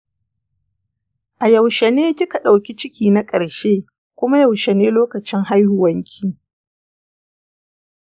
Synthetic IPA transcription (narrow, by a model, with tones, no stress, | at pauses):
ʔa˨jɐ˨wʃe˨neː˦kʲɪ˦ka˨ɗa˨wkʲi˦t͡ʃɪ˦kʲiː˨na˦kʼɐ˨ɾʃeː˦ | kʷʊ˦ma˦jɐ˨wʃe˨neː˦loː˦kɐ˨t͡ʃɪ˦ŋha˦jhʊ˨wɐ˦ŋkʲʰiː˦